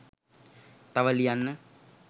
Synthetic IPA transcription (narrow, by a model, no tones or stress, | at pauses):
t̪ɐʋɐlijanːɨ